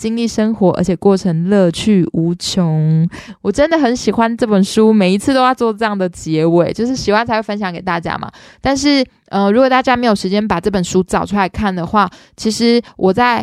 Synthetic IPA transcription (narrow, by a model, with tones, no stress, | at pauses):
t͡ɕi˥ŋli˥˩ʂə˥ŋxwɔ˧˥ʔə̰˧˥t͡ɕʰjɛ˨˩kwɔ˥˩ʈ͡ʂʰə˧˥ŋlɤ˥˧t͡ɕʰy˥˩u˧˥t͡ɕʰjo˧˥˦ŋwɔ˨˩ʈ͡ʂə˦nd̪ə˨xə˧˦nɕi˨˩xwa˦nʈ͡ʂɤ˥˩pə˨˩nʂu˥me˨˩ɪi˧˥t͡sʰɹ̩˥˩t̪o˥ʊjɑ˥˧ʊt͡swɔ˥˧ʈ͡ʂɤ˥˧jɑ˥˩ŋd̪ə˩t͡ɕjɛ˧˦˥we˥˩ɪt͡ɕjo˥˧ʊʂ̬ɻ̩˥˩ɕi˨˩xwa˥nt͡sʰa˧˥ɪwe˥˩fə˥nɕjɑ˧˥ŋke˨˩t̪a̰˥˩t͡ɕja̰˥ma̰˨ | t̪a˥˧nʂ̬ɻ̩˥˩ | ə˧ɻu˧˥kwɔ˨˩t̪a˥˩t͡ɕja˥me˧˥ɪjo˨˩ʂɻ̩˧˥t͡ɕjɛ˥npa˨˩ʈ͡ʂɤ˥˩pə˨˩nʂu˥t͡sɑ˨˩ʊʈ͡ʂʰu˥la˧ɪkʰa˥˩nd̪ə˩xwa˥˩ | t͡ɕʰi˧˥ʂɻ̩˧˥wʔɔ˨˩t͡sa˥˩ɪ